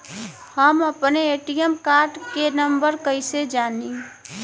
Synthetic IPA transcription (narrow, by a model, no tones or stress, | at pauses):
həməpneeʈijəmkaɾɖkenəmbəɾkəɪsed͡ʒani